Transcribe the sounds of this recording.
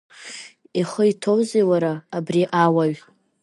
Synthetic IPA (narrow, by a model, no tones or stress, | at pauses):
iχəitʰowzewaɾaːbriʔawaɥ